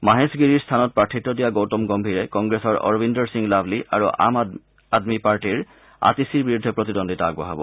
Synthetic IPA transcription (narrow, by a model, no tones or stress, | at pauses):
maɦesɡiɹiɹst̪ʰanɔt̚pɹatʰːitːɔdijaɡowtɔmɡɔmbʱiɹɛkɔŋɡɹesɔɹɔ̰ɹbindɔɹsiŋlabʱliʔa̰ɹuʔa̰m | admipaɹʈiɹ | a̰tisiɹbiɹud̪ʱepɹot̪idondʱitɔa̰ɡa̰ɦabɔ̰